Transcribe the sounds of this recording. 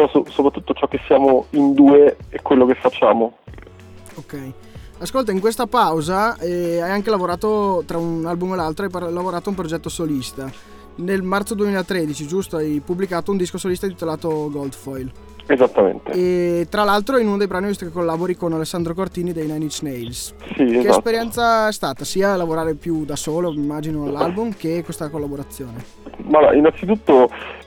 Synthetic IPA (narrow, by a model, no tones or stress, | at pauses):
ɔsosopɾat̪ːut̪ːot͡ʃɔkːesːjaːmoind̪uːeɛkwelːokefːat͡ʃːa̰ːmo | okɛj | askolt̪aiŋkwest̪apawzaɛajaŋkelavoɾaːt̪ot̪ɾaunalbumelːalt̪ɾoajplavoɾaːt̪oump̬ɾod͡ʒɛt̪ːosolist̪a | nelmart̪sod̪uemiːlat̪ɾed̪it͡ʃid͡ʒust̪oajpubːlikaːt̪ound̪iskosolist̪ait̪elaːt̪oɡold̪fɔjl | ezat̪ːamḛnt̪ḛet̪ːɾalːalt̪ɾoinunod̪ejbɾaːnivist̪okekːolːaːboɾikonalesːand̪ɾokort̪iːnid̪ejnajnit͡ʃnejlssiekespeɾjɛnt̪saɛst̪aːt̪asiːalavoɾaːɾepjud̪asoːloimːaːd͡ʒinolːalbumkekːwest̪akolːaboɾat̪sːjoːne | maa̰inant̪it̪ut̪ːo